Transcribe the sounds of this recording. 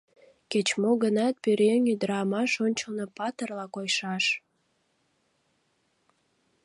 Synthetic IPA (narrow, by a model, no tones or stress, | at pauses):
ket͡ɕmoɡənɑt̪̚pyɾenyd̪əɾɑmɑʃonʲt͡ɕəlnopɑt̪ərlɑkojʃɑʃ